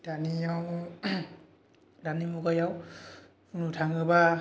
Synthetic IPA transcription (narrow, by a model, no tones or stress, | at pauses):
danijaw | danimukajaw | unutʰaŋɯba